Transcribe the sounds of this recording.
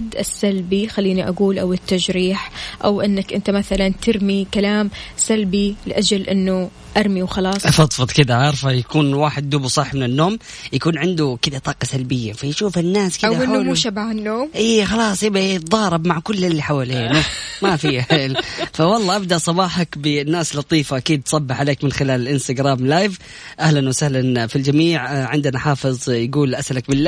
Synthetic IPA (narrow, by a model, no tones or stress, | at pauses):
d̪ːʔɪsːalbixalːiːniʔaɡuːlʔawɪt̪ːaʒɾiːħʔawʔɪnːakʔɪnt̪amaθalant̪ɪɾmikalaːmsalbilɪʔad͡ʒalʔɪnːʊ | ʔaɾˤmiwxɑlɑːsˤfɑt̪ˤfɨt̪ˤkɪd̪aʕɑɾˤfajakuːnwaːħɪd̪̚ːuːbusˤɨħːmɪnɪnːoːm | jakuːnʕɪnd̪ukɪd̪at̪ˤɑːqɑsalbɪjːafajʃuːfɪnːaːskɪwaɪnamuʃabaʕɪnːoːmʔiːxɑlɑːsˤjɪbajt̪ðˤɑːɾˤɑbmaʕkʊlːɪlːiħawaleːnumafiħeːlfawɑlˤːɑːʔabd̪aʔsˤɑbɑːħakbɪnːaːslɑt̪ˤiːfaʔakiːd̪̚tsˤɑbːɪħʕaleːkmɪnxɪlaːlɪlʔɪnst̪aɡɾaːmlaːjv | ʔahlanwasahlanfild͡ʒamiːʕʕɪnd̪ɪnaħɑːfɨðˤjaɡuːlʔasʔalakbɪlːa